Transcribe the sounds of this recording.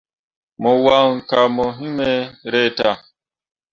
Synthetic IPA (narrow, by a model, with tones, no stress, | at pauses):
mɔ˨wa˦ŋ̩˨ka˨mɔ˨ɦĩ˦mɛ˦ɾɛ˦˨ta˦˨